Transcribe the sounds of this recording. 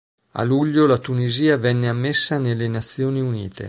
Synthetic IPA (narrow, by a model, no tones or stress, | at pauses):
a̰luʎːolat̪uniziːavɛnːeamːesːanelːenat̪sːjoːniunḭːt̪ḛ